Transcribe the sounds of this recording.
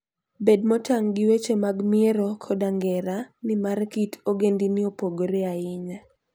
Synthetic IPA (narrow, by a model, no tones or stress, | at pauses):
bed̚mɔtaŋɡɪwet͡ʃemaɡmɪeɾokʰɔdaŋɡɛɾanɪmarkitʰoɡendinɪopoɡoɾɛaɪɲa